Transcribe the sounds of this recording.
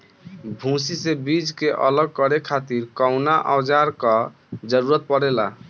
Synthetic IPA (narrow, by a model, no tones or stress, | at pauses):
bʱũsisebid͡ʒkeʔələɡ̚kəɾekʰat̪iɾkɔʊnaʔɔwd͡ʒaɾkɔ | d͡ʒəɾuɾət̪̚pəɽela̰